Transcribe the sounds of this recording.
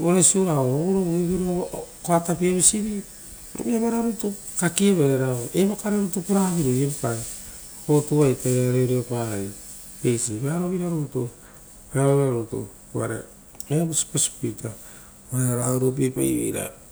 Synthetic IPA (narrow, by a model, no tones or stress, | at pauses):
oɾesiuɾaoɾoβiβiɾikoatapiaβisiβi | ɾo̰βiaβaɾaɾutu | kakieβeɾeɾaoeβakaɾeɾutupiɾaβiɾojeβakae | kotuβajtaaɾeoɾiopai | pejsiβeaɾoβiɾaɾotu | peɾaɾoβɾaɾutṵ | ua̰ɾḛ | eβusi̥pesi̥pujta | oɾeaɾaoɾop̬epa̰jβḛjɾa̰